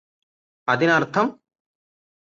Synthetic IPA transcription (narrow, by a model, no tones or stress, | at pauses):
ɐðinɐrt̪ʰɐm